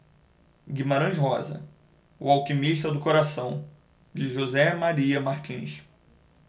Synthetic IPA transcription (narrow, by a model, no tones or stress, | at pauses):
ɡimaɾɐ̃ʒɦɔzɐ̰ | uawkimiʃt̪ɐd̪ʊkoɾasɐ̃w̃ | d͡ʒɪʒozɛmaɾiɐmaɾt͡ʃĩʃ